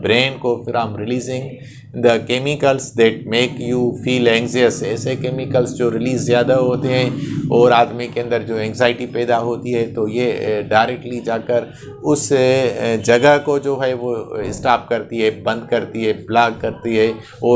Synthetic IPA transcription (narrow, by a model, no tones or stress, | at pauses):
bɾeːnɖkofɪɾãːmɾɪliːzɪ̃ŋɡ | d̪əkeːmɪkəlsd̪ɛːʈ̚meːkjuːfiːlɛ̃ːŋɡziəsɛːsekeːmɪkəlsd͡ʒoːɾɪliːzːjaːd̪aɦoːt̪eɦɛ̃ːɔːɾaːd̪mikeɐ̃nd̪əɾd͡ʒoːɛ̃ːŋɡzaːɪʈipɛːd̪aɦoːt̪iɦɛt̪ojeɖaːɪɾɛk̚ʈlid͡ʒaːkəɾ | ʊsed͡ʒɐɡəɦkod͡ʒoːɦɛʋoɪsʈaːp̚kɐɾt̪iɦɛːbɐ̃nd̪kɐɾt̪iɦɛplaːɡ̚kɐɾt̪iɦɛː | ɔː